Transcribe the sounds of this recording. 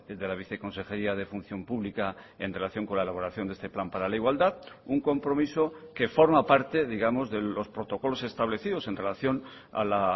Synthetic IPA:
d̪e̞laβ̞iθe̞ko̞nse̞xeɾiað̞e̞fun̟θjo̞mpuβlika | e̞̰nre̞laθjo̞ŋko̞nlae̞laβo̞ɾaθjonest̪e̞plampaɾalaiɣwald̪aðuŋko̞mpɾo̞miso̞ke̞fo̞ɾmapaɾt̪e̞ðiɣamo̞zðe̞o̞spɾo̞t̪o̞ko̞lo̞se̞st̪aβle̞θið̞o̞se̞nre̞laθjo̞n | a̰la

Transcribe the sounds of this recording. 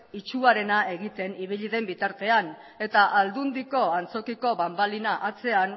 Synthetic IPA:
it͡ʃuaɾe̞nae̞ɣ̞it̪e̞niβ̞iʎiðe̞mbit̪aɾt̪e̞an | e̞t̪aʔald̪und̪iko̞ant͡so̞kiko̞βambalinaʔat͡se̞an

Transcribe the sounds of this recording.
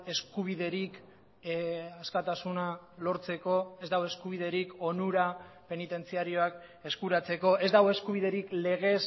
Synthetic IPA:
e̞skuβ̞iðe̞ɾik | askat̪asunalo̞ɾt͡se̞ko̞e̞zd̪awe̞skuβ̞iðe̞ɾiko̞nuɾape̞nit̪e̞nt͡siaɾio̞ak | e̞skuɾat͡se̞ko̞e̞zd̪aɣoe̞skuβ̞iðe̞ɾikle̞ɣ̞e̞s

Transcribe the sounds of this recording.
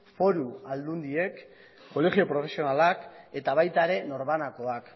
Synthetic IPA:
fo̞ɾuald̪und̪ie̞kː | o̞le̞ɣio̞pɾo̞fe̞sio̞nalake̞t̪aβ̞ajt̪aeɾe̞no̞ɾβanako̞ak

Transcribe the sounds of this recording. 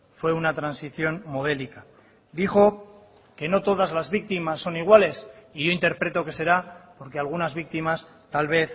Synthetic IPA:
fwe̞unat̪ɾansiθjo̞nmo̞ð̞e̞lika | d̪ixo̞ | ke̞no̞t̪o̞ð̞azlazβik̚t̪imasːo̞niɣwale̞siʝoint̪e̞ɾpɾe̞t̪o̞ke̞se̞ɾapo̞ɾke̞alɣ̞unazβik̚t̪imas | t̪alβ̞e̞θ

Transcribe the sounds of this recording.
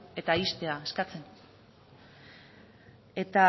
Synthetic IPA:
e̞t̪aist̪e̞aeskat͡se̞n | e̞t̪a

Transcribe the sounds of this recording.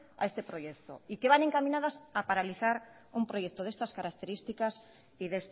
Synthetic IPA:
a̰est̪epɾojekt̪o̰ikeβaneŋkamĩnaðasapaɾaliθaɾ | umpɾojek̚t̪oðest̪askaɾakt̪eɾist̪ikas | iðest̪

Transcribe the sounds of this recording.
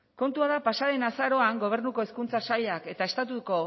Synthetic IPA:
ko̞nt̪uaðapasaðe̞nasaɾo̞aŋɡo̞β̞e̞ɾnuko̞eskunt͡sasaʎake̞t̪aest̪at̪uko̞

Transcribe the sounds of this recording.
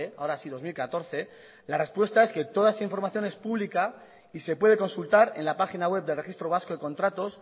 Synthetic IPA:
ea̰oɾasiðo̞zmilkat̪o̞ɾθe̞ | lare̞spwe̞st̪ae̞ske̞t̪o̞ðaesaiɱfo̞ɾmaθjo̞ne̞spuβlika | ise̞pwe̞ð̞e̞ko̞nsult̪aɾe̞̰nlapaxinaɣwe̞b̚d̪elre̞xist̪ɾoβ̞asko̞ðeko̞nt̪ɾat̪o̞s

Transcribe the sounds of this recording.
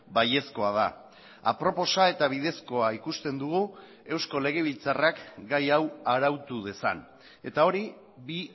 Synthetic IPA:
baje̞sko̞aða | a̰pɾo̞po̞sae̞t̪aβ̞ið̞e̞sko̞aikust̪e̞nd̪uɣ̞u | e̞wsko̞le̞ɣ̞e̞β̞ilt͡sarakɡajawaɾawt̪uð̞e̞sa̰n | e̞t̪ao̞ɾi | βi

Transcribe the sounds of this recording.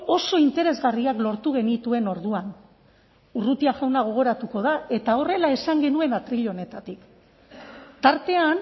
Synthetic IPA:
o̞so̞int̪e̞ɾe̞zɣariaklo̞ɾt̪uɣ̞e̞nit̪ue̞no̞ɾðuan | urut̪iaʝawnaɣ̞o̞ɣ̞o̞ɾat̪uko̞ðae̞t̪ao̞re̞lae̞saŋɡe̞nue̞nat̪ɾiʎo̞ne̞t̪at̪ik | t̪aɾt̪e̞an

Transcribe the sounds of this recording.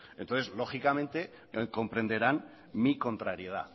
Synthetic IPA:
ent̪onθe̞zlo̞xikamẽ̞nt̪e̞ | ko̞mpɾe̞nd̪e̞ɾan | miko̞nt̪ɾaɾje̞ð̞a̰

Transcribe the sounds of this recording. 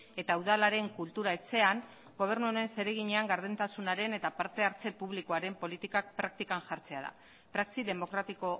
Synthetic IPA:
e̞t̪auðalaɾe̞ŋkult̪uɾae̞t͡se̞aŋ | ɡo̞β̞e̞ɾnuone̞nse̞ɾe̞ɣ̞iɲe̞aŋɡaɾðent̪asunaɾe̞ne̞t̪apaɾt̪e̞aɾt͡se̞puβ̞likoaɾe̞mpo̞lit̪ikak̚pɾak̚t̪ikanʝaɾt͡se̞aða̰ | pɾaksiðe̞mo̞kɾat̪iko̞

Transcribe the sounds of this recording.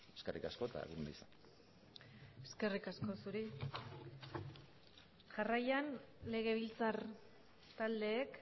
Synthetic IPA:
eskerikasko̞t̪a̰ḛɣunaisan | eske̞rikasko̞suɾi | ʝarajanle̞ɣ̞e̞β̞ilt͡sar | t̪ald̪e̞ːk

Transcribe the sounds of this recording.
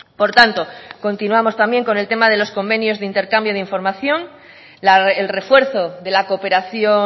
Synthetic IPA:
po̞ɾt̪ant̪o̞ko̞nt̪inuamo̞st̪ambje̞ŋko̞ne̞lt̪e̞mað̞e̞lo̞sko̞mbe̞njo̞zðeint̪e̞ɾkambjoðeiɱfo̞ɾmaθjo̞n | laelre̞fwe̞ɾθo̞ðe̞lakope̞ɾaθjo

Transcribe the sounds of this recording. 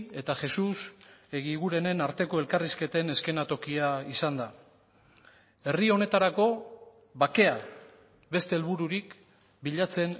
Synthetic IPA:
e̞t̪aʝe̞suse̞ɣiɣuɾe̞ne̞naɾt̪e̞ko̞e̞lkariske̞t̪e̞ne̞ske̞nat̪o̞kiaisand̪a | e̞rio̞ne̞t̪aɾako̞ | βake̞a | βe̞st̪e̞ːlβuɾuɾik | biʎat͡se̞n

